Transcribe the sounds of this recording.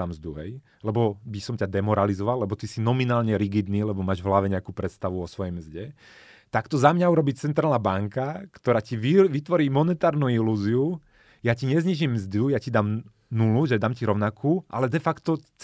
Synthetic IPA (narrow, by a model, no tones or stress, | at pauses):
amzd̪uɦɛ̰j | lɛbɔbisɔmcad̪ɛmɔɾalizɔʋalːɛbɔt̪isinɔminaːlɲɛɾiɡid̪niːlɛbɔmaːʒʋɦlaʋɛɲɛakuːpɾɛt̪st̪aʋuɔsʋɔjɛjmzɟɛ | t̪akt̪ɔzamɲauɾɔbit͡sɛnt̪ɾaːlnabaŋkakt̪ɔɾaːciʋiʋit̪ʋɔɾiːmɔnɛt̪aːɾnuiluːziu | jaciɲɛzɲiʒimːzd̪ujacid̪aːm | nuluʒɛd̪aːmciɾɔʊnakʰuːʔa̰lɛd̪ɛfakt̪ɔt͡s